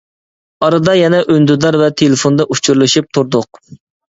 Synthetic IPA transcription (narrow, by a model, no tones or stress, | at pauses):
ɑɾɨd̪ɑjɛnɛʔønd̪yd̪ɑɾvɛt̪ʰelɪfond̪ɑʔut͡ʃʰyɾlˠɨʃyp̚t̪ʰuɾd̪ʊq̚